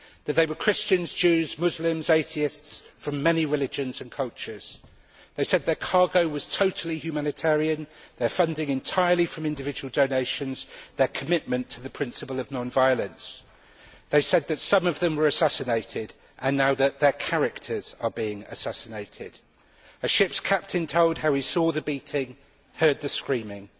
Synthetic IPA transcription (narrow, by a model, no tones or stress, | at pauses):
ðəʔ̪̚ðeɪwəkʰɹ̥ɪst͡ʃə̃nzd͡ʒʉːzmʊzlɪ̃mzeɪθiɪstsfɹə̃mɛniɹɪlɪd͡ʒə̃nzə̃nkʰʌlˠt͡ʃəz̥ | ðeɪsɛd̪̚ðəkʰɑːɡoʊwɒz̥tʰoʊtʰəl̩ihjʉmanɪtʰɛːɹiə̃nðəfʌ̃ndɪ̃ŋɪ̃ntʰaɪəlifɹə̃mɪ̃ndɪvɪd͡ʒəwəlˠdoʊneɪʃə̃nz̥ðəkʰəmɪʔmə̃ntʰəðəpʰɹ̥ɪ̃nsəpəlˠəvnɒ̃nvaɪələ̃ns | ðeɪsɛd̪̚ðɨtsʌ̃mʌvðə̃mwəɹəsasɪneɪtʰɪd | ʔə̃nːaʊðəʔ̚ðəkʰaɹɪk̚tʰəz̥əbiɪ̃ŋə̰sæsɪneɪtʰɪ̰d̥ | əʃɪpskʰap̚tʰɪ̃ntʰoʊlˠd̚ɦaʊisɔːðəbiˑtʰɪ̃ŋ | hɜːd̪̚ðəskɹĩːmɪ̃ŋ